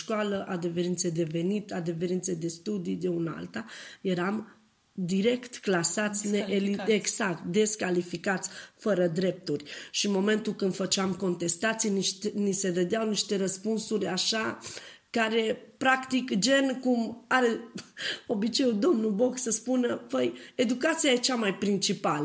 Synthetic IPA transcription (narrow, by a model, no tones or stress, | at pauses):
ʃkwaləʔad̪eveɾint̪sed̪e̞ve̞nit̪ad̪e̞ve̞ɾint̪sed̪e̞st̪ud̪id̪eunəa̰lt̪aje̞ɾam | d̪iɾe̞kt̪klasat̪sʲnelieɡsakt̪d̪e̞skalifikat̪sʲfəɾəd̪ɾe̞p̚t̪urʲʃimo̞me̞nt̪ulkɨnd̪fət͡ʃeamko̞nt̪e̞st̪at̪sijniʃt̪nise̞d̪əd̪eawniʃt̪e̞ɾəspunsuɾʲaʃa | kaɾe̞pɾakt̪ikd͡ʒe̞nkumaɾe | o̞bit͡ʃe̞ud̪o̞mnubo̞ksəspunəpəje̞d̪ukat̪sijaet͡ʃamajpɾint͡ʃipalə